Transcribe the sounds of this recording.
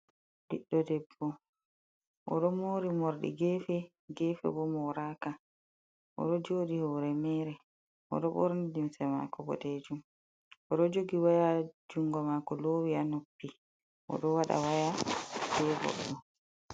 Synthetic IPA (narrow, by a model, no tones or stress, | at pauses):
liɗːɔdɛbːɔ | ʔɔɗɔmoɾimoɾɗḭɡɛfɛ | ɡɛfɛ̰bɔmɔɾaːka | ʔɔ̰ɗɔd͡ʒoːɗihɔɾɛmɛːɾɛ | ʔɔ̰ɗɔbɔ̰ɾnid͡ʒumsɛma̰kɔbɔ̰deːd͡ʒum | ʔɔɗɔd͡ʒoɡiwajad͡ʒuŋɡɔmakɔlowianopːi | ʔɔ̰ɗɔwaɗa̰wajabɛbɔ̰ɗɗɔ